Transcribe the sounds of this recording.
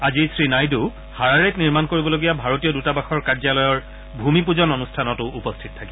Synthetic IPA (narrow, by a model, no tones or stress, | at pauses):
azisɹinajdu | haɹaɹetniɹmankoɹibɔloɡijabʱaɹotiɔdutabaxɔɹkaɹzalɔjɔɹ | bʱumip̬uzɔnonustʰanɔtʊːpɔstʰitɔtʰaki